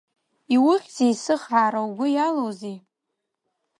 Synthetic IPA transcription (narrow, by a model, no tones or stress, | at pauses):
iwʊχʲz̥ejsɨχaːɾawɡʷʊjalowzej